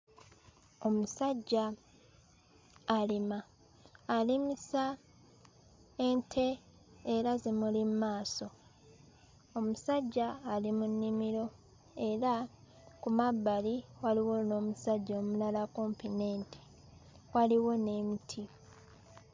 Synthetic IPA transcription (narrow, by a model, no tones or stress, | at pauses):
omusaɟːa | limaː | limisa | entʰe̞ː | ɾazemulimumaːso̞ | omusaɟːaːlimunːimiɾo̞ | e̞ɾa | kumabːaliwaliwo̞no̞ːmusaɟːoːmulalako̞mpine̞ːnti̥ | waliwo̞ne̞ːmitʰi